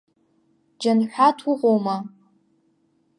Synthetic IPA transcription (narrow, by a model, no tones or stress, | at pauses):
d͡ʒanħʷatʰuʁʷʼowma